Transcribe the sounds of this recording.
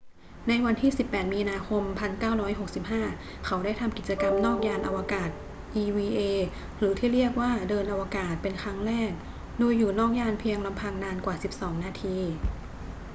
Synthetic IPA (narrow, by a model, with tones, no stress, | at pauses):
na˧jwa˧nt̪ʰiː˥˩si˨˩pːɛː˨˩t̪̚miː˧naː˧kʰo˧mpʰa˧nkaː˥˩wɾɔː˦˥jɦo˨˩k̚si˨˩p̚ɦaː˥˩ | kʰa˩˦˥wda˥˩jt̪ʰa˧mki˨˩t͡ɕa˧ka˧mnɔː˥˩k̚jaː˧nʔa˧wa˧kaː˨˩t̪̚ | ʔiː˧wiː˧ʔeː˧ | ɾɯː˩˦t̪ʰiː˥˩ɾi˥˩ək̚waː˥˩dɤː˧nʔa˧wa˧kaː˨˩t̪̚pe˧nkʰɾa˦˥ŋɾɛː˥˩k̚ | doː˧jːuː˨˩nɔː˥˩k̚jaː˧npʰi˧əŋla˧mpʰa˧ŋnaː˧nkwaː˨˩si˨˩p̚sɔː˩˦ŋnaː˧t̪ʰiː˧